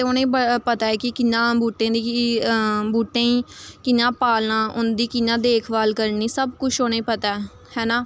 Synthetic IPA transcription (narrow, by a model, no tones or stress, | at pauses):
t̪eʊnẽːəpət̪aːɛːkɪkɪnãːbuːʈːẽːd̪iː | buːʈẽːiːkɪnãːpaːlnãːʔʊnd̪iːkɪnːãːd̪eːkʰʋaːlkəɾniːsəbkʊt͡ʃʰoːñẽːpət̪aːɛ | hɛːnãː